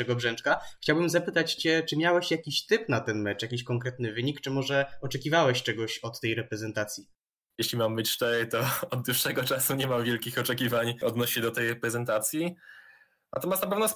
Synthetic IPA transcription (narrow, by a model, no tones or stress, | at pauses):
ɛɡɔbʐɛnt͡ʂkaxt͡ɕawbɘmzapɘt̪at͡ɕt͡ɕɛt͡ʂɘmʲjawɛɕjakʲiɕt̪ɘpnat̪ɛnmɛt͡ʂjakʲiɕkɔŋkɾɛt̪nɘvɘɲikt͡ʂɘmɔʐɛɔt͡ʂɛkʲivawɛɕt͡ʂɛɡɔɕɔt̪ːɛjɾɛpɾɛzɛnt̪at̪sʲji | jeɕlʲimamːɘt͡ɕʂt̪ɛɾjt̪ɔɔd̪̚d̪uʂːɛɡɔt͡ʂasuɲɛmamvʲjɛlkʲixɔt͡ʂɛkʲivaɲɔd̪nɔɕɕɛd̪ɔt̪ɛjɾɛpɾɛzɛnt̪at̪sʲji | nat̪ɔmasnapɛvnɔs